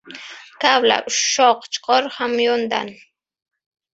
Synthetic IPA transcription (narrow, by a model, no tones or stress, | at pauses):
kawla̰wʃoqt͡ʃqoɾχamjʊnd̪a̰n